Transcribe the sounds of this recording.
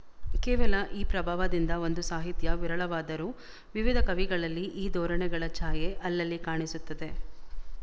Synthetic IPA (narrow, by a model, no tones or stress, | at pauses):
kɛːʋɐlɐʔiːpɾɐbʱaːʋɐd̪ind̪ɐo̞nd̪usaːɦit̪jɐʋiɾɐɭɐʋaːd̪ɐɾuː | ʋiʋid̪ʱɐkɐʋiɡɐɭɐlːiʔiːd̪ɔːɾɐɳɛɡɐɭɐt͡ʃaːjeʔɐlːɐlːikaːɳisut̪ːɐd̪e̞